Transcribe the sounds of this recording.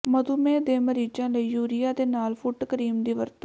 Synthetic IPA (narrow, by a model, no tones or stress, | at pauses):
məd̪uːmẽːd̪eːməɾiːd͡ʒãːləiːjuːɾɪjaːd̪eːnaːlpʰʊʈkəɾiːmd̪iːʋəɾt̪o